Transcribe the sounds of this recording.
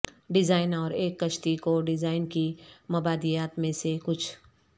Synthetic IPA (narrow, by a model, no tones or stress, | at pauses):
ɖɪzaːɪnɔːɾeːkːɐʃt̪ikoɖɪzaːɪnkimɐbaːd̪ijaːt̪mẽsekʊt͡ʃʰ